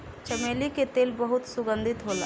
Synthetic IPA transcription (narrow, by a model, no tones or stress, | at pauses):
t͡ʃəmeliket̪eːlbəɦʊt̪sʊɡə̃nd̪ʱɪt̪ɦola̰ː